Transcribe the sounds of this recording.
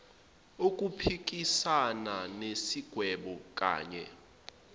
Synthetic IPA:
ok̬ʼupʰik̬ʼisananesiɡ̥ʱwɛɓɔk̬ʼa̰ːɲɛ̰

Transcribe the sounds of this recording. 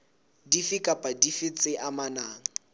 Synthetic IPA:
difikʼapʼadifɪt͡sʼɪʔamanaːŋ̩

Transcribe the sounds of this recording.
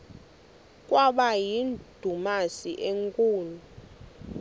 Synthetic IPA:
kʼwaɓajind̥ʱumasiʔeŋkʼuːnu

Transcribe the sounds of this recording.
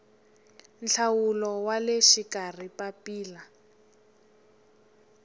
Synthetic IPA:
nt͡ɬʰawulɔwaleʃikar̤ipapiːla

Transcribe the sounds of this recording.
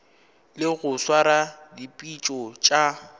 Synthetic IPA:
lɪɣʊswaɾadipʼit͡ʃʼɔt͡ʃʼa

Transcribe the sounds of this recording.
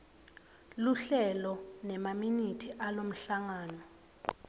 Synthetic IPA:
luɬɛlɔnɛmaminitʰiʔalom̩ɬaŋaːnɔ

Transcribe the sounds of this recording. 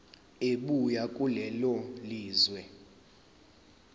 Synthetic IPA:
eɓujakʼulɛloliːzwɛ

